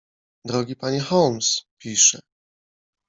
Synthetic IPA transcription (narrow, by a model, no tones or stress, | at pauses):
d̪ɾɔɡʲipaɲɛxɔlmspʲiʂɛ